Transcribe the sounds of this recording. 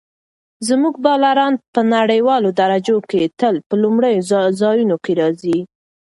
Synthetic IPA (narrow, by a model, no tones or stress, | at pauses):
zmuɡ̚bɑlaɾɑnpənaɽəjwɑlod̪aɾad͡ʒoket̪əlpəlumɽəjozɑjunokeɾɑzi